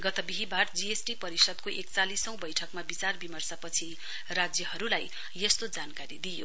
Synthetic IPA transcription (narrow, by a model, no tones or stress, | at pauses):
ɡʌt̪ʌbiɦibard͡ziesʈipʌɾisʌd̪koʔek̚t͡salisʌ̃w̃bʌjʈʰʌkmabit͡sarbimʌrsʌpʌt͡sʰi | rad͡zjʌhʌɾulaj | jest̪od͡zankaɾid̪ijo̰